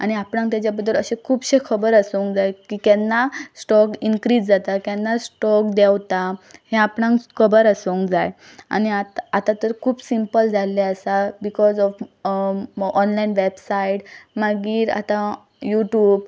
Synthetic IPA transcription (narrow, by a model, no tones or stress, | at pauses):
a̰ñiapɽãŋk̚t̪jat͡ɕjabəd̪ːələɕẽkʰuːbɕekʰəbəɾəsəŋkd͡zajkikjanːasʈɔkinkɾiːd͡zd͡zat̪akjãnːasʈɔk̚d̪ɛwt̪ahẽapɳãŋkkʰəbəɾəsowŋkd͡zaj | a̰niat̪at̪at̪əɾkʰuːbsimpəld͡zʱaleəsabikɔzɔf | ɔnlainʋebsaiʈmaɡiːɾa̰t̪ã | juʈjuːb